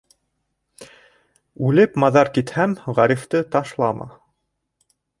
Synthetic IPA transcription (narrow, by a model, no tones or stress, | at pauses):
ʉlɘpmɑðɑɾkit̪hæmʁæɾift̪ɤt̪ɑʃlˠɑmʔɑ̰